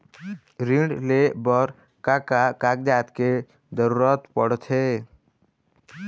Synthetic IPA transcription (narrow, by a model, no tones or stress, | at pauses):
ɾĩɳɖlebəɾ | kakakak̚d̪aːt̪ke | d͡ʒəɾuːɾət̪pəɽt̪ʰe